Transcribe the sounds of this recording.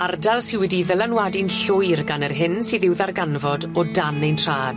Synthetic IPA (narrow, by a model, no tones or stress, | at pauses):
ardalˠsɪwɛdiðəlˠanwadɪnɬʊjrɡanərɦɪnsiðɪwðarɡanvɔdɔdanejntʰr̥aːd̥